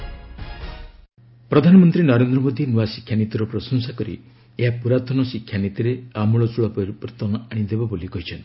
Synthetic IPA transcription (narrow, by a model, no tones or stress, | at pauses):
pɾɔd̪ʱanɔmɔnt̪ɾinɔɾend̪ɾɔmod̪ʱinuasi̥kʰjanit̪iɾɔpɾɔsɔŋsakɔɾḭ | eɦapuɾat̪ʰɔnɔsikʰːjanit̪iɾeamuɭɔt͡ʃuɭapɔjɾupɔɾt̪ɔnɔʔaɽ̃id̪ebabolikɔɦit͡ʃʰɔnt̪i̥